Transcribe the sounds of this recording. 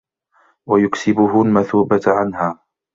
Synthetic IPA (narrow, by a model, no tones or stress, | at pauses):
wajʊksɪbʊɦʊlmaθuːbaʕanhaː